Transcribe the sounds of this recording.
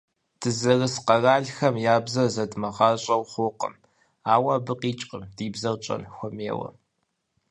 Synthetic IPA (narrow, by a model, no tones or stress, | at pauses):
d̥ʰɨzɐrɨsqɐraːɮxɐmjaːbzɐzɐdmɐʁɑːɕʼɐwχʷʊqə̰m | aːwɐbɨqiːt͡ʃʼqʼəmdiːbzɐwt͡ʃʼɐ̰nxʷʊmeːwɐ̰